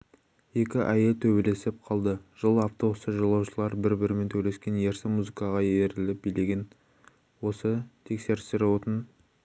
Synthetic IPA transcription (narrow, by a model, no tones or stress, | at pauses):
je̞kʲɪʔæje̞t̪ʰɵbe̞le̞sɪp̚qʰɑlˠd̪əʒ̥əlˠaft̪osəʒəlˠɑwʃəlˠɑɾbɪɾbɪɾɪme̞nt̪ʰɵle̞skʲe̞nje̞ɾsɪmuzɨkɑʁɑjeɾɪlɪp̚bijleɡʲɪn | wo̞sət̪ʰe̞kse̞ɾɪst̪ɪɾɪwo̞t̪ən